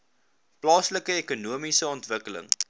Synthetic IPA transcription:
plɑːsləkəɛkunuəmisəɔntvəkələ̰ŋ

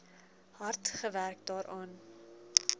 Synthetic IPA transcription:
hɐrtχəværkdɑːɾʔɑːn

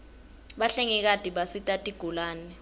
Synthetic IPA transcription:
ɓaɬɛŋɛk̬ad̥ʱiɓasitʼatʼiɡ̥ʱulaːnɛ

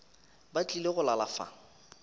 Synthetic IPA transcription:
bat͡ɬʼileχʊlalafa̰

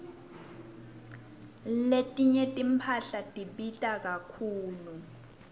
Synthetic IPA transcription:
letʼiɲɛtʼim̩pʰaɬatʼiɓitʼak̬akʰuːlu

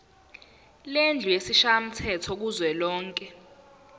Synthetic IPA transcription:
lend͡ɮʱujesiʃam̩tʰɛtʰɔk̬uzwɛlɔːŋkʼɛ

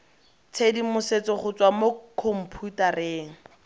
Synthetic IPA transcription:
t͡sʰedimʊset͡sɔχʊt͡swamokʰom̩pʰutareːŋ̩

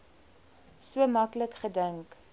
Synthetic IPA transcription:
suəmɐkləkχədəŋk

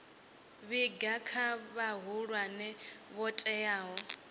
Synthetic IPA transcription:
βiɡakʰaβaɦuɺwanɛβɔtʼɛjaːɦɔ

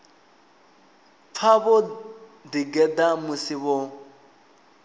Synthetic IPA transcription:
fʰaβɔdiɡɛdamʊsɪβɔ

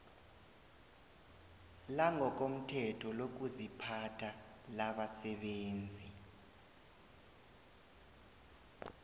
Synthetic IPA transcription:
laŋɔk̬om̩tʰɛtʰɔlok̬uzipʰatʰa | laɓasɛɓeːnd͡zʱi

